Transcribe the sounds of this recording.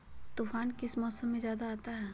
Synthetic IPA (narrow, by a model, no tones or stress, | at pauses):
t̪uːfʰaːnkɪsmɔːsəmːẽzjaːd̪aaːt̪aɦɛː